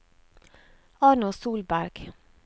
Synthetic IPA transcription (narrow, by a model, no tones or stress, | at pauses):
ɑːɳʊsuːlbæɾɡ̥